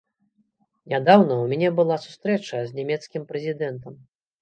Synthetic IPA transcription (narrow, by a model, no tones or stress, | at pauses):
nʲad̪awnɐwmʲanʲɛbɨlˠasu̥st̪ɾɛt͡ʂɐzʲnʲamʲɛt̪skʲimpɾɛzʲid̪ɛnt̪ɐm